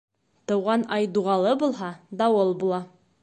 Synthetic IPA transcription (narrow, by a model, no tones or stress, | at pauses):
t̪ɤ̆wʁɑnɑjd̪uʁɑlˠɤbulˠɦɑd̪ɑwɤlˠbulˠɑ